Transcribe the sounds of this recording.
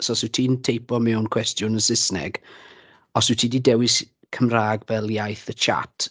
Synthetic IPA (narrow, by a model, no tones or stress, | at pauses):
soːsɨtʰiːntʰejpɔmɛwnkʰw̥ɛstjʊnəsɪsnɛ̰ɡ | ɔsɪtʰiːdiːdɛwɪs | kʰəmraːɡbɛlˠjajθət͡ʃʰa̰tʰ